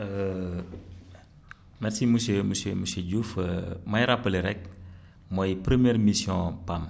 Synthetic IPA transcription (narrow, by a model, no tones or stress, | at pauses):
ə | mɛrsiməseməseməseɟufəmajɾapːəliɾɛk̚ | mɔjpɾəmjɛɾmisjɔ̃pam